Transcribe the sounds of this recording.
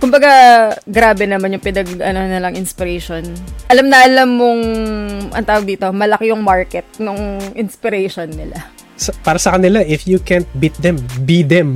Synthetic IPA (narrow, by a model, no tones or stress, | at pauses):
kʊmbɐɡaɡɾaːbɛnɐmanjʊŋpɪnɐɡʔɐ̰nonɐlɐŋʔɪnspɪɾɛjʃonʔɐlamnɐʔɐlamːoŋʔɐ̰nt̪aːwɐɡ̚d̪iːt̪o̞mɐlɐkɪjʊŋmaɹkɛt̪̚nʊŋʔɪnspɪɾɛʃonːɪla | sopaːɾɐsɐkɐnɪlaʔɪfjukɛnt̪̚bit̪̚d̪ɛmbid̪ɛm